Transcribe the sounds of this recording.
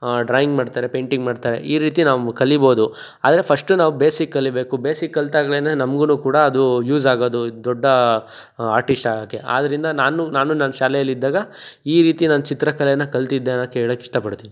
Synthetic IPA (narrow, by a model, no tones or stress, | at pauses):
ɖɾaːjiŋɡmaːɖt̪aːɾe̞peːɳʈiŋɡmaːɖt̪aːɾe̞̰ʔiːɾiːt̪inaːʋukɐlːibo̞ːd̪u | a̰ːd̪ɐɾe̞pʰɐsʂʈunaːʋubeːsikːɐlːibe̞ːkube̞ːsikːɐlt̪aːɡɐɭenenɐmɡunuːkuːɽɐɐd̪ujuːzaːɡo̞ːd̪ud̪ɔɖːɐ | aːɾʈisʈaːɡakːeʔa̰ːd̪ɐɾind̪ɐnaːnunaːnunɐnɐʃaːlɛjɐlːid̪ːaːɡɐiːɾiːt̪inanɐt͡ʃit̪ɾɐkɐlɛɐnːɐkɐlt̪id̪ːeɐnɐkːeeːɭoːkːiʂʈɐpɐɽt̪ini